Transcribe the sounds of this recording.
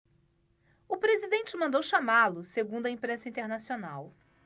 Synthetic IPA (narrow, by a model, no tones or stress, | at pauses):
ʊpɾezid̪ẽnt͡ʃɪmɐ̃nd̪owʃamalʊseɡũnd̪ʊɐĩpɾẽsɐĩt̪eɾnasionaw